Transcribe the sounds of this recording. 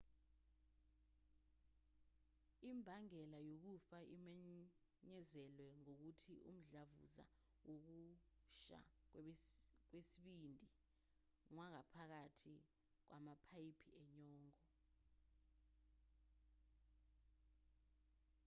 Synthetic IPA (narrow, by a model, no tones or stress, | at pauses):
imbʱaŋɛlajok̬ufaʔimɛ | ɲɛzɛlwɛŋok̬utʰiṵm̩ɮavṵza̰ | wok̬uʃa̰ | k̬wesiɓindʱi | ŋwak̬apʰak̬atʰi | k̬wʔamapʰaipʰiɛɲɔːŋɔ